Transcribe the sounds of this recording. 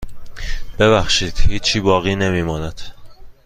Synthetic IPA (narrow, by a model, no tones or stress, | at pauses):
b̥e̞βæxʃiːd̪̥hiːt͡ʃʰːiːbɒːɣiːne̞miːmɒːnæd̪̥